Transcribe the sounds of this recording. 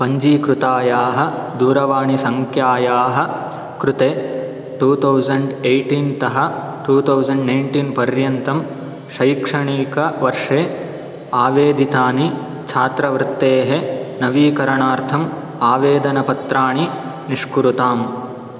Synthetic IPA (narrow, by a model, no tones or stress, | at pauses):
pɐɲd͡ʒiːkɾut̪aːjaːɦɐ̆d̪uːɾɐʋaːɳisɐŋkʰjaːjaːɦɐ̆ | kɾut̪eː | ʈuːt̪ʰɐwzɐɳɖejʈint̪ɐɦɐ̆ʈuːt̪ʰɐwzɐɳɖnɐjɳʈinpɐɾjɐnt̪ɐm | ʃɐjkʂɐɳiːkɐʋɐɾʂeː | aːʋeːd̪it̪aːni | t͡ʃʰaːt̪ɾɐʋɾɪt̪ːeːɦenɐʋiːkɐɾɐɳaːɾt̪ʰɐm | aːʋeːd̪ɐnɐpɐt̪ɾaːɳi | niʂkuɾut̪aːm